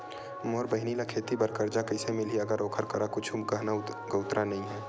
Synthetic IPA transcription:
moːɾbɐɦɪnilakʰeːt̪ibɐɾkəɾd͡ʒakɐɪsemɪlɦiɐɡəɾoːkʰəɾkɐɾakʊt͡ʃʰumkəɦnaɡəʊt̪ɾanɐɦĩɦɛː

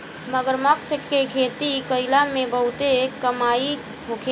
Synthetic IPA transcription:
məɡəɾməkt͡ʃʰəkekʰet̪ikəɪlamebəɦut̪ekəmai | ɦokʰe

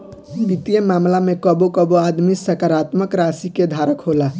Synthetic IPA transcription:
bit̪ijəmamlamekəbokəboad̪misəkaɾat̪məkɾasiked̪ʱaɾəkɦola

